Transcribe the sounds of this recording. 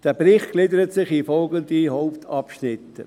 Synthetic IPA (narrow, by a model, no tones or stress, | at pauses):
d̥ɛbɾɪχtɡ̥lɪdəɾətsɪχifɔlɡəndihoʊptʰɑpʃnɪt̪ːə